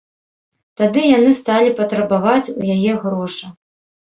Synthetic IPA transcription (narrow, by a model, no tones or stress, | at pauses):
t̪ad̪ɨjanɨst̪alʲipɐt̪ɾɐbavat͡sʲujajɛɣɾɔʂɐ